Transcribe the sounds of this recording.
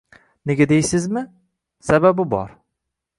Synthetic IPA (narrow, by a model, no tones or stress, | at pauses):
neɡʲad̪ejsɪzmɪ | sababɪbɒ̰ɾ